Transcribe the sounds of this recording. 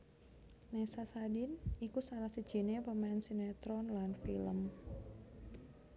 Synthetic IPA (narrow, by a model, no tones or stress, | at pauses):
nɛsasadinikusaɾahsəd̥ʒ̥i̤nepəmaɪnsinet̪ɾɔnlanfiləm